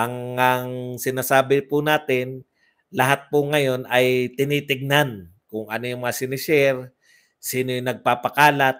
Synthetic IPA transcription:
ʔɐŋɐŋsɪnaːsaːbɪpʊnaːt̪ɪn | lɐɦat̪̚pʊŋɐjo̞nɐjt̪ɪniːt̪ɪɡ̚nankʊŋʔɐnojʊŋmɐŋasɪnɪʃɛɾ | siːnojʊŋnɐɡ̚paːpɐkaːlat̪̚

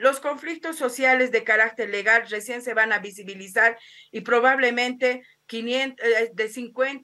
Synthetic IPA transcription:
lo̞sko̞ɱflik̚t̪o̞sːo̞sjale̞zðe̞kaɾak̚t̪eɾleɣalresje̞nse̞βanaβisiβilisaɾ | ipɾo̞βaβle̞mẽnt̪e | kinjent̪d̪esiŋkwent̪

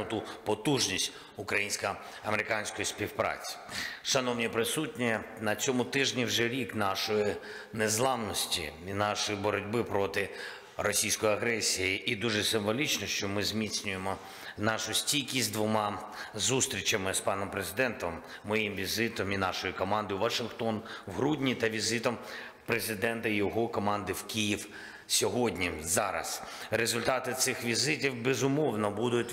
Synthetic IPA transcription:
t̪upɔt̪uʒnʲisʲt̚ʲ | ʊkɾɐjinʲsʲkɐ | ɐmeɾɪkɑnʲsʲkɔjisʲpʲiwpɾɑ̰t͡sʲi̥ʃɐnɔwnʲipɾɪsutʲnʲi | nɐt͡sʲɔmʊt̪ɪʒnʲiwʒɛɾʲiknɑʃɔji | nezlˠɑwnɔsʲtʲḭinɑʃɔjibɔɾɔdʲbɪpɾɔt̪ɪ | rɔsʲijsʲkɔjiɐɦɾɛsʲijiʔːd̪uʒɛsɪɱʋɔlʲit͡ʃnɔʃt͡ʃɔmɪzʲmʲit͡sʲnʲʊjemɔ | nɑʃʊsʲtʲikʲisʲt̪ʲd̪ʋʊmɑ | zust̪ɾʲit͡ʃɐmɪspɑnɔmpɾezɪd̪ɛnt̪ɔmː | ɔjimʋʲizɪt̪ɔminɑʃɔjikɔmɑnd̪ɪuʋɐʃɪnxt̪ɔnwɦɾudʲnʲit̪ɐʋʲizɪt̪ɔm | pɾezɪd̪ɛnt̪ɐjɔɦɔkɔmɑnd̪ɪwkʲijiw | sʲɔɦɔdʲnʲizɑɾɐ̰sɾezʊlʲt̪ɑt̪ɪt̪sɪxʋʲizɪtʲiwbezʊmɔwnɔbud̪ʊtʲ

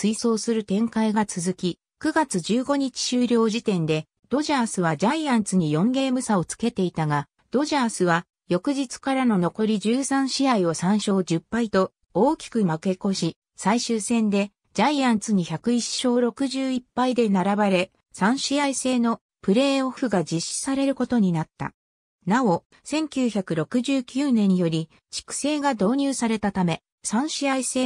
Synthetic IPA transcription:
sɨiso̞ːsɨɾɯ̟t̪ẽ̞ŋkaiɡat͡sɨzɨkʲi | kɯ̟ɡat͡sɨd͡ʑɨːɡo̞ɲ̟it͡ɕi̥ɕɨːɾʲo̞ːʑit̪ẽ̞nd̪e̞ | d̪̥o̞ʑaːsɨβad͡ʑaijãnt͡sɨɲ̟ijõ̞ŋɡe̞ːmɯ̟sao̞t͡sɨ̥ke̞t̪e̞it̪aɡa | d̪̥o̞ʑaːsɨβa | jo̞kɯ̟ʑit͡sɨ̥kaɾano̞no̞ko̞ɾʲid͡ʑɨːsãɰ̃ɕiaio̞sãɰ̃ɕo̞ːd͡ʑɯpːait̪o̞ | oːkʲi̥kɯ̟make̞ko̞ɕi | saiɕɨːsẽ̞nd̪e̞ | d͡ʑaijãnt͡sɨɲ̟içakɯ̟iɕo̞ːɾo̞kɯ̟ʑɨːipːaid̪e̞naɾabaɾe̞ | sãɰ̃ɕiaise̞ːno̞ | pɯ̟ɾe̞ːoɸɯ̟ɡad͡ʑiɕːi̥saɾe̞ɾɯ̟ko̞t̪o̞ɲ̟inat̪ːa̰ | nao̞ | sẽ̞ŋkʲɨːçakɯ̟ɾo̞kɯ̟ʑɨːkʲɨːnẽ̞ɲ̟ijo̞ɾʲi | t͡ɕi̥kɯ̟̥se̞ːɡad̪o̞ːɲ̟ʲɨːsaɾe̞t̪at̪ame̞ | sãɰ̃ɕiaise̞ː

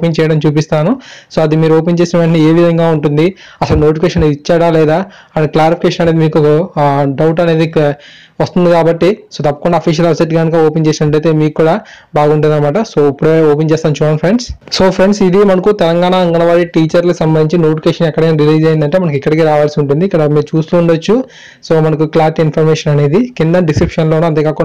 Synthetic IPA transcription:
pent͡ʃɛːjɐɽɐmt͡ʃuːpist̪aːnuso̞ːɐd̪imiːɾuoːpent͡ʃe̞ːsinɐʋeɳʈ̬nieːʋid̪ʱɐŋɡaːuɳʈund̪i | ɐsɐluno̞ːʈifʰikeːʃɐned̪it͡ʃːaːɽaːlɛːd̪aː | ɐklaːɾipikeːʃɐnɐneːd̪imiːkuɔkɐɖɐwʈɐne̞ːd̪i | ʋɐst̪und̪ikaːbɐʈːisoːt̪ɐpːɐ̥kuɳɖaːpʰiːʃɐlɐbseʈɡaːnikaoːpent͡ʃeːsinɐʈlɐjt̪e̞ːmiːkukːuːɽaː | baːɡuɳʈund̪ɐnɐmaːʈɐsoːipːuɽeoːpent͡ʃɛːst̪aːnt͡ʃɔnpʰɾeɳɖsso̞ːpʰɾeɳɖsid̪imɐnɐkut̪ɛlɐŋɡaːnaɐŋɡɐnɐʋaːɾiʈiːt͡ʃɐɾlɐksɐmbɐnd̪iɲt͡ʃinoːʈikeːʂɐnɛkːɐɽɐkinɾiliːd͡ʒɐjind̪ɐɳʈe̞ːmɐnɐkikːɐɽik̬iːɾaːʋaːlsiuɳʈund̪iːkːɐɽɐmeːut͡ʃuːst̪uːɳɖɐt͡ʃːu | soːmɐnɐkuklaːɾʈinpʰɐɾmeːʂɐnɐne̞ːd̪ikind̪ɐɖiskɾipʂɐnlonuɐnt̪eːkaːku

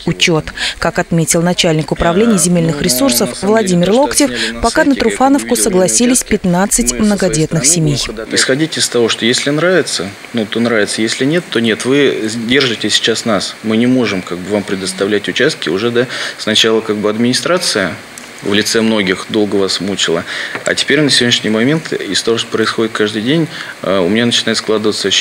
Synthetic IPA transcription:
ʊt͡ɕo̞t̪kakɐt̪mʲetʲɪlˠnɐt͡ɕælʲnʲɪkʊpɾɐvlʲenʲɪjzʲɪmʲelʲnɨxɾʲɪsursəfvlˠɐdʲimʲɪrlˠo̞ktʲɪfpɐkanət̪ɾʊfanəfkʊsəɡlˠɐsʲilʲɪsʲpʲɪt̪nat̪sɨtʲmnəɡɐdʲe̞t̪nɨxsʲɪmʲejɪsxɐdʲitʲɪst̪ɐvo̞ʂt̪ojesʲlʲɪnɾavʲɪt̪sə | nut̪onɾavʲɪt̪səjesʲlʲɪnʲe̞t̪ːo̞nʲe̞t̪vɨdʲe̞rʐɨtʲɪsʲɪ̥t͡ɕasnasmɨnʲɪmo̞ʐɨmkaɡ̚bɨvampɾʲɪd̪əst̪ɐvlʲætʲʊt͡ɕast̪̚kʲɪʊʐɛd̪asnɐt͡ɕalˠəkaɡ̚bɨɐd̪mʲɪnʲɪst̪ɾat̪sɨjə | vlʲɪt̪sɛmno̞ɡʲɪxd̪o̞lˠɡəvasmut͡ɕɪlˠəɐ̰tʲɪ̥pʲeɾʲnəsʲɪvodʲnʲɪʂnʲɪjmɐmʲe̞nt̪ɪst̪ɐvo̞ʂt̪opɾəɪsxo̞dʲɪt̪̚kaʐd̪ɨjdʲenʲ | əʊmɪnʲanət͡ɕɪnajɪt̪sklˠad̪əvət̪sə

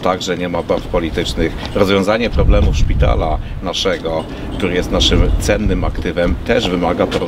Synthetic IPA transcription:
t̪aɡʐɛɲɛmabaɾfpɔlʲit̪ɘt͡ʂnɘxɾɔzvʲjɔ̃w̃zaɲɛpɾɔblɛmufʂpʲit̪a̰la | naʂɛɡɔ | kt̪uɾɘjɛst̪naʂɘmt̪sɛnːɘmakt̪ɘvɛmt̪ɛʐvɘmaɡapɔɾɔ

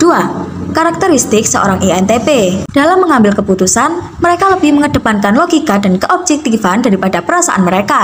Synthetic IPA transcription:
d̥ua | kaɾak̚t̪əɾist̪ɪksəo̰ɾaŋʔiɛnt̪eped̥alamːəŋambɪlkəput̪usan | məɾekaləbɪhməŋəd̥ə̤pankanloɡikadankəʔɔb̚d͡ʒɛk̚t̪ifandaɾipadapəɾasa̰ʔa̰nməɾeka

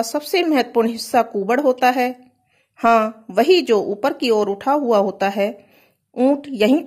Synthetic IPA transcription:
sɐbsemɐɦət̪ə̥puːɾɳɦɪsːakuːbəɽɦoːt̪aɦɛː | hãːʋɐɦid͡ʒoːʔuːpəɾkioːɾʊʈʰaɦʊaɦoːt̪aɦɛː | ũːʈʰjɐɦĩ

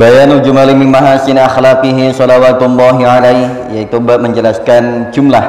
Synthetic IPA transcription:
bajanud͡ʒumalimimaɦasɪnaxlaqiɦisɔlawat̪lːɔɦiʕalajh | jait̪ubaməɲd͡ʒəlaskand͡ʒumlah

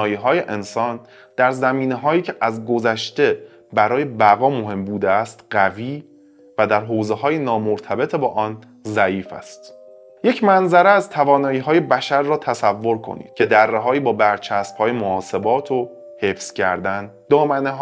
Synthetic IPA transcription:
jiːɦɒːje̞ʔensɒːn | d̪̥æɾzæmiːneɦɒːjiːcʰe̞ʔæzɡo̞zæʃt̪e̞ | bæɾɒːje̞bæɣɒːmo̞ɦe̞mbuːd̪eæst̪ɢæviː | væd̪æɾɦoːze̞ɦɒːjenɒːmoɾt̪ʰæbe̞t̪ʰebɒːʔɒːn | zæiːfæ̰st̪ | je̞cʰmænzæɾeæzt̪ʰævɒːnɒːjiːɦɒːje̞bæʃæɾːɒːt̪ʰæsævːo̞ɾkʰo̰nḭːd̪̥̚cʰe̞d̪æɾːeɦɒːiːbɒːbæɾt͡ʃʰæsb̥hɒːje̞moɒːse̞bɒːt̪ʰo | he̞fscʰæ̰ɾd̪æn | d̪ɒːmæneɦ

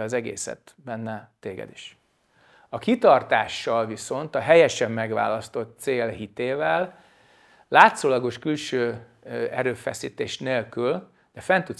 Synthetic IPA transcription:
ɒzɛɡḛːsɛ̰t̪ | bɛnːɛt̪eːɡɛ̰d̪iʃ | ɒkit̪ɒrt̪aːʃːɒlviso̞nt̪ɒɦɛjɛʃɛmːɛɡʋa̰ːlɒst̪o̞t̪ːseːlɦit̪eːvɛlː | aːt̪soːlɒɡo̞ʃkylʃøː | ɛɾøːfɛsiːt̪eːʃneːlkyl | d̪̥ɛfɛnt̪ut̪

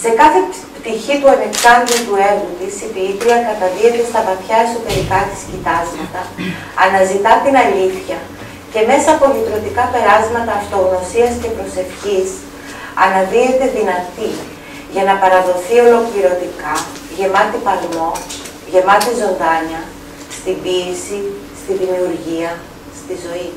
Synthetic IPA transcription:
se̞kɐθe | pt̪içipuɐne̞ksɐnd̪it̪ue̞vund̪isipilit̪ɾiɐkɐt̪ɐðie̞t̪e̞st̪ɐvɐθçɐe̞so̞t̪e̞ɾikɐt̪i̥scit̪ɐzmɐt̪ɐː | nɐzit̪ɐt̪inɐʎiθçɐ | ce̞me̞sɐːpo̞lit̪ɾo̞t̪ikɐpe̞ɾɐzmɐt̪ɐːft̪o̞ɣno̞siɐsce̞pɾo̞se̞fçis | ɐ̰nɐðiet̪e̞ðinɐt̪i | ʝɐnɐpɐɾɐðo̞θio̞lo̞kliɾo̞t̪ikɐ | ʝe̞mɐt̪ipɐlmo̞ | ʝe̞mɐt̪izo̞nðɐɲɐ | st̪imbiesist̪iðimiuɾʝiɐ | st̪izo̞i

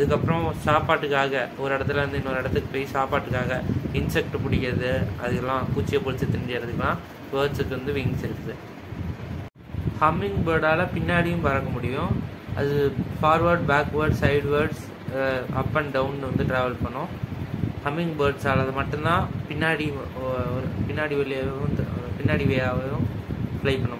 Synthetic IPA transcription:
ɐðɯkːɐpːɾɔ̃saːpaːʈːɯkːaːɣɐɔɾɯɪɽɐt̪ːɪlɐʋɐnd̪ɯɪnːɐɔɾɯɪɽɐt̪ːɯkːɯpoːjisaːpaːʈːɯkːaːɣɐɪnsɛk̚ʈpʊɽɪkʲːɪɾɐðɯɐ̰ðɯɐlːãːpuːt͡ʃːɪjɐpʊɾɪt͡ʃːɯt̪ːɪnɖɪjɐɾɐðɯkːãː | ʋɐːɾɖsɯkːɯʋɐnd̪ɯʋɪŋɡsɪɾɯkːɐðɯ | hɐmɪŋɡbɐːɾɖaːlɐpɪnːaːɽijʊ̃mpɐɾɐkːɐmʊɽɪjʊ̃ | ʔɐ̰ðɯfaːɾʋɐɾɖ̚baːkʋɐɾɖsɐɪɖʋɐɾɖs | ɐpːɐɳɖɐʊnɖʋɐnd̪ɯʈɾaːʋɐlpɐɳːʊ̃ | hɐmːɪŋɡbɐːɾɖsaːlɐðɐmɐʈːɯ̃nd̪ãːpɪnːaːɽiɔɾɯpɪnːaːɽiʋɛɭːɪjãːpɪnːaːɽiʋeːaːʋɐjʊ̃ | flɐɪpɐɳːʊ̃

